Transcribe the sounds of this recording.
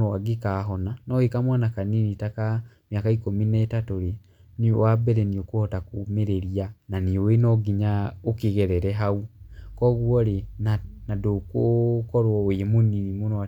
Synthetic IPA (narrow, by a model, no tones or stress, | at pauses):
aɡekaɦɔnanɔhekamwanakaninitaka | mjakaikominɛetatoɾe | niwabɛɾɛniokohɔtakumeɾeɾiananiowenɔɡiɲaokeɣɛɾɛɾɛɦaukɔɣwɔɾenanadokokɔɾwɔoemoninimonoa